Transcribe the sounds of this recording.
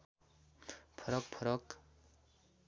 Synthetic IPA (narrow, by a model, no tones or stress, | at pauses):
pʰʌɾʌk̚pʰʌɾʌk